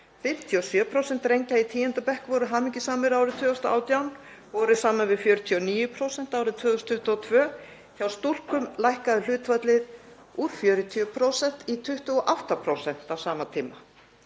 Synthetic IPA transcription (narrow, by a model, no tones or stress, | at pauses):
fɪm̥t̪ʰiɔsjœːpʰɾowsɛn̥t̪ɾejɲcait̪ʰiːjɛnt̪apɛhkvɔːɾʏɦaːmɪcɪsaːmɪɾawɾɪt̪ʰʏːðʏst̪aa̰ːwt̪jawn | vɔːɾʏsaːmavɪðfjœːɾt̪ʰiɔniːjʏpʰɾowsɛn̥t̪aːwɾɪðt̪ʰvœːðʏst̪ʰːʏht̪ʏɔt̪ʰvœː | çawst̪ul̥kʏmlajhkaðʏl̥ʏːt̪vœt̪lɪð | uːɾ̥fjœːɾʏt̪ʰiʏpʰɾowsɛn̥t̪it̪ʰʏht̪ʏɔʔaft̪apʰɾowsɛn̥t̪awsaːmat̪ʰiːma